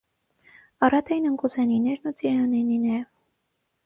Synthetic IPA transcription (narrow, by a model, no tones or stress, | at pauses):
ɑɾɑt̪ʰɛjnəŋkuzɛninɛɾnut͡siɾɑnɛninɛ